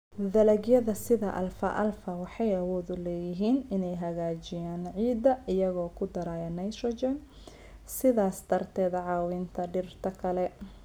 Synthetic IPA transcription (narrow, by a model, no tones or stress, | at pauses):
ðɐlɐɡjɐðɐsɪðɐʔɐ̰lfɐ̰ʔɐ̰lfɐwɑħɑjɐwɔːðʊlɛːjɪɦiːnɪnɛjɦɐɣaːt͡ʃɪjaːnʕiːd̪ɐʔɪjɐɣɔːkʰʊd̪ɐɾaːjɐnɐjʃɔt͡ʃɛn | sɪðaːst̪ɐrt̪ʰɛːðɐʕɑːwiːnt̪ʰɐɖɪrt̪ʰɐkʰɐlɛ